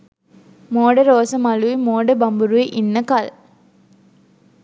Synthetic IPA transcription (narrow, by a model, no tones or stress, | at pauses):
moːɽɐɾoːsɐmɐlujmoːɖɐbɐmbuɾuiʔinːɐkal